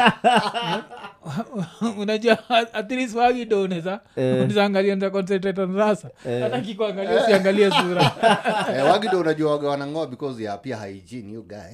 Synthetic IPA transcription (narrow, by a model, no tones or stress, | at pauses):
unaʄuaat̪iɾiswaɡiɗɔunɛzaunizaːŋɡaliaunizakɔns̬ɛt̬ɛtɔnɾasaatakikuaŋɡaliausiaŋɡaliɛsuɾa | ɛwaɡiɗɔunaʄuawaɡɛwanaŋɡɔaɓikɔzjapiaha̰ḭd͡ʒinhiɔɡajɛ